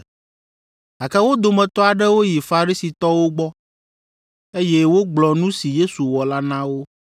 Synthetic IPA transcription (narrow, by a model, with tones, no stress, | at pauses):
a˨kɛ˦wo˦d̪o˨mɛ̃˨t̪ɔ˦a˨ɖɛ˦wo˦ji˨fa˨ɾi˦si˨t̪ɔ˦wo˦ɡ͡bɔ˦ | e˦jɛ˦wo˦ɡ͡blɔ˨nũ˦si˨je˦su˨wɔ˨la˦nã˦wo˦